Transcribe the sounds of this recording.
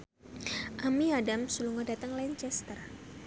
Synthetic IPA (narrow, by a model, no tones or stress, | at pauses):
ʔamiadamsuluŋɔdat̪əŋlaɲt͡ʃɛst̪ər